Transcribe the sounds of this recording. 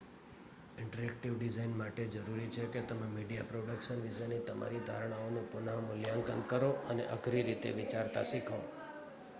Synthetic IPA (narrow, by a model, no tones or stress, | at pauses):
ɪɳʈəɾɛk̚ʈiʋɖizainmaʈed͡ʒəɾuɾit͡ʃʰeket̪əmemiɖija̰pɾoɽəkʃənʋiʃanːit̪əmʔa̰ɾid̪ʱaɾɽ̃aonũpʊnamʊljaŋkənkəɾoʔənḛʔəɡʱɾiɾit̪ḛʋit͡ʃaɾt̪a̰ʃikʰõ